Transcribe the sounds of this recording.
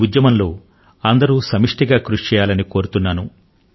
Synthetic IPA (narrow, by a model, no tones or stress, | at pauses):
ud̪jɐmɐnlo̞ː | ɐnd̪ɐɾuːsɐmiʂʈiɡaːkɾuʂt͡ʃɛːjaːlɐniko̞ːɾut̪unːaːnu